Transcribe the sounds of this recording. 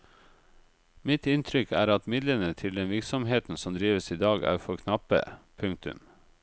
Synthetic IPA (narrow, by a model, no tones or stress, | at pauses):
mɪt̪ɪnt̪ʰɾʏkʰæ̰ːɾɑt̪mɪd̪lənət̪ʰɪld̪ɛnʋɪɾksɔmɦeːt̪n̩sɔmd̪ɾiːʋəsiːd̪ɑːɡæ̰ːɾfɔɾkʰnɑpə̰pʰʉŋk̚t̪ʉ̰m